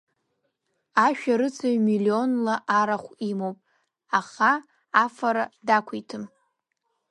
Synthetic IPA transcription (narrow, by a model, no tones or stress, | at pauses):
aʃᶣaɾɨt͡sʰaɥmilio̞nlaʔaɾaχʷimowpʼ | aχaː | faɾadakʷʰijtʰɨm